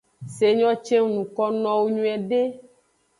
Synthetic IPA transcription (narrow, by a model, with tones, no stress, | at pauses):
se˨ɲɔ̃˦t͡ʃe˦ŋ˦nũ˨kɔ˦nɔ̃˦wo˦ɲũ˦ɛ˨ɖe˦